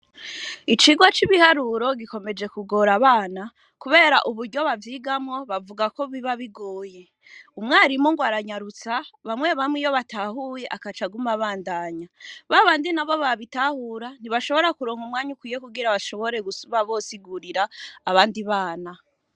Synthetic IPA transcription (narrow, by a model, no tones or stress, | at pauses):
it͡ʃiɡwat͡ʃiβihaɾuɾo̞ɡiko̞me̞d͡ʒe̞kuɡo̞ːɾaβaːna | kuβe̞ːɾaʔuβuɾɟo̞βavjiɡamŋo̞βavuɡako̞βiβaβiɡoːje̞ | umŋaːɾimuŋɡwaːɾaɲaɾut͡saβamŋwe̞βamŋijo̞βataːhuje̞ʔakat͡ʃaɡumaβaːndaːɲaβaβaːndinaβo̞βaβitahuɾan̥iβaʃo̞βo̞ɾakuɾoːŋumŋaːɲukwiːje̞kuɡiɾaβaʃo̞βo̞ɾe̞ɡusuβaβo̞siɡuɾiɾaːβaːndiβaːna